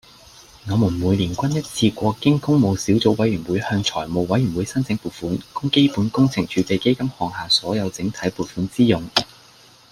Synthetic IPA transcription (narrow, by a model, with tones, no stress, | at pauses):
ŋɔː˨˧muː˨˩nmuː˨˧jliː˨˩nkʷɐ˥njɐ˥t̚t͡sʰiː˧kʷɔː˧kɪ˥ŋkʊ˥ŋmo˨˧wsiː˨˥wt͡so˨˥wɐ˨˥jɥyː˨˩nwuː˨˧jhœː˧ŋt͡ʃʰɔː˨˩jmo˨˧wwɐ˨˥jy˨˩nwuː˨˧jsɐ˥nt͡sʰɪ˨˥ŋpuː˨t̚fuː˨˥nkʊ˥ŋke˥jpuː˨˥nkʊ˥ŋt͡sʰɪ˨˩ŋt͡ʃʰyː˨˧pe˨˧jke˥jkɐ˥mhɔː˨˧ŋhaː˨˩sɔː˨˥jɐ˨˧wt͡sɪ˨˥ŋt̪ʰɐ˨˥jpuː˨t̚fuː˨˥nt͡siː˥jʊ˨˩ŋ